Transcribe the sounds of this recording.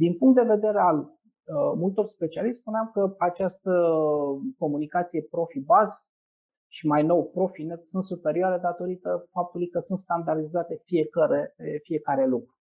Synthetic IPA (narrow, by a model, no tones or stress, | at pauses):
d̪inpuŋkt̪d̪e̞ve̞d̪e̞ɾeal | əmult̪o̞rspe̞t͡ʃialispuneamkəat͡ʃast̪ə | ko̞munikat̪sije̞pɾo̞fibaz | ʃimajno̞wpɾo̞finet̪sunt̪supe̞ɾioaɾed̪at̪o̞ɾit̪əfap̚t̪ulujkəsunt̪skand̪ard̪izat̪e̞fie̞kəɾefie̞kaɾe̞lukɾu